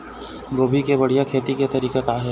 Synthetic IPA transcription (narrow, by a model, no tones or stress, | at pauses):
ɡoːbʱikebɐɽ̤ijakʰeːt̪iket̪ɐɾiːket̪aːɦe